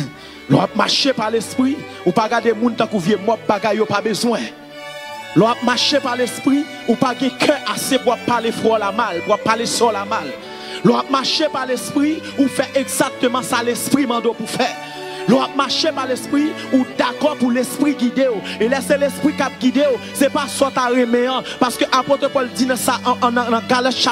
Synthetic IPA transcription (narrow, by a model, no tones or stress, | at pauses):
lɔ̰ap̚maʃepalespʁi | upaɡad̪emũnt̪ãkuvjɛmɔt̚baɡajːopabøzwɛ̃ | lɔap̚maʃepalespʁi | upaɡɛ̃kʰɛ̃ʔasepuwapːalefɔlamalpuapːalesɔlamal | lɔap̚maʃepalespʁiufɛʔeɡzak̚t̪ømɑ̃salespʁimɑ̃d̪opufɛ | lɔap̚maʃepalespʁi | ud̪akɔpulespʁiɡid̪eoelɛselespʁikap̚ɡid̪eo | sɛpasɔt̪aʁemɛ̃ãpaskøʔapot̪ʁəpɔld͡zinãsaʔñnãɡalat̪ʃa